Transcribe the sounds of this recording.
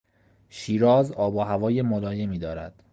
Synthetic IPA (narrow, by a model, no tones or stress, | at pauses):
ʃiːɾɒːzɒːboɦævɒːjemolɒːje̞miːd̪ɒːɾæ̰d̪̥